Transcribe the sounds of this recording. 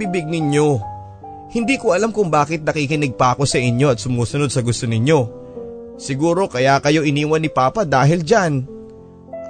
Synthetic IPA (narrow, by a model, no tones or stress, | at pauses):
bibɪɡ̚nɪɲjo̞ | hɪnd̪iːkoɐlamkʊŋbaːkɪt̪̚nɐkikɪnɪɡ̚paːko̞sɐʔɪɲjo̞ɐt̪̚sʊmuːsʊno̞d̪̚sɐɡʊst̪onɪɲjo̞ | sɪɡuːɾo̞kɐjakɐjo̞ʔɪniːwɐnːɪpaːpɐd̪aːɦɪld͡ʒan